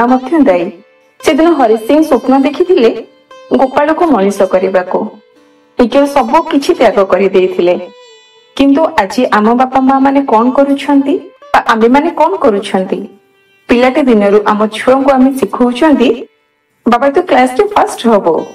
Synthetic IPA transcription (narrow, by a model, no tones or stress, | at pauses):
amɔt̪ʰjɔd̪aj | sed̪inɔɦɔɾisiŋsopnɔd̪ekʰit̪ʰile | ɡopaɭokumɔnisɔkɔɾibaku | ikeɾusɔbɔkit͡ʃʰit̪jaɡɔkɔɾid̪ejt̪ʰile | kint̪uʔad͡ʒiʔamɔbapɔmamanekɔnɔkɔɾut͡ʃʰɔnt̪ibaʔamemanekɔnɔkɔɾut͡ʃʰɔnt̪i | pilaked̪inɔɾuʔamɔt͡ʃʰuɔŋkuamesikʰuwt͡ʃʰɔnt̪i | babajt̪uklasʈepʰasʈɦɔbo